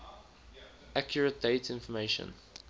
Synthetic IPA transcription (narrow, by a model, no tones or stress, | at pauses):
ʔakʰjəɹət̚d̥eɪtɪ̃nfɔmeɪʃə̰̃n